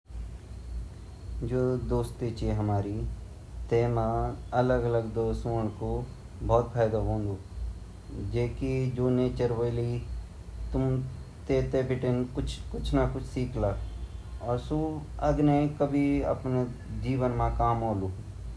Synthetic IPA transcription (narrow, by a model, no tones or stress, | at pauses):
d͡ʒoːd̪oːst̪it͡ʃiɦəmaːɾi | t̪eːmãələɡələɡd̪oːsoːɳko | bʱɔːt̪pʰaːjd̪aɦõːnd̪u | d͡ʒeːkid͡ʒoːneːt͡ʃəɾʋəli | t̪ʊmt̪eːt̪epɪʈɪnkʊt͡ʃʰkʊt͡ʃʰnakʊt͡ʃʰsiːkʰlaːɔːɾsuɐɡnekəbʱiɐ̰pne | d͡ʒiːʋənmãkaːmoːluː